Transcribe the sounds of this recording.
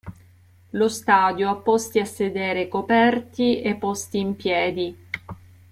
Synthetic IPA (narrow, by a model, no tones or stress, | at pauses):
lost̪aːd̪joapːɔst̪iasːed̪eːɾekopɛrt̪iepːɔst̪iːmpjɛːd̪i